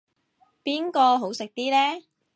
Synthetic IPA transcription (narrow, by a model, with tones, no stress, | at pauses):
piː˥nkɔː˧ɦo˨˥wsɪ˨k̚t̪iː˥lɛː˥